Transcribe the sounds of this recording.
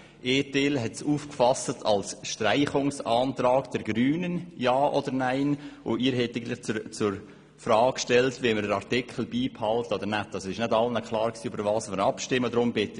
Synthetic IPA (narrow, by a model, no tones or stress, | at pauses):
ʔeːtelɦɛtsuːfkfɑsətʰɑ̰lsʃtɾaɪχʊŋsaːntɾɑːkd̥ɛɾɡɾyːnənjaːʔɔdəɾnaɪnʔʊ̰iːɾhɛtaɪɡ̩tlɪχt͡st͡sʊɾ | fɾɑːkʃtɛltʋiməɾəɑɾtɪkʰl̩biːphɑlttɔd̪əɾnætːɑsoɪʃnædɑlnəkʰχlɑːɾksiːøbəɾvɑːsəɾnɑpʃtɪmːəd̪ɾʊmbɪtːə